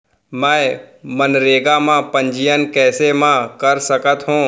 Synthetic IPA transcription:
mɛ̃ːmənɾeːɡamãpə̃ɲd͡ʒɪjənkɛːsemãkəɾsəkət̪ɦũː

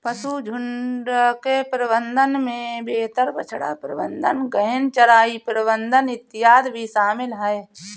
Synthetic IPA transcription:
pəsud͡ʒʱʊɳɖkepɾəbənd̪ənmẽbeːt̪əɾbə̰t͡ʃʰɽa̰ːpɾəbə̰̃nd̪ə̰nɡəɦɪnt͡ʃɐɾaːipɾəbənd̪ənɪt̪ːɪjaːd̪bʱiʃaːmɪlɦəe

